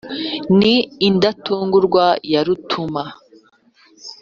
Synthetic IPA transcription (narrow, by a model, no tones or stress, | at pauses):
niːndatuːŋɡuɾɡwajaɾutʰuma